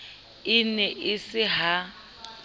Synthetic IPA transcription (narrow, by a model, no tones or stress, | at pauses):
ɪnɛʔɪsɪɦa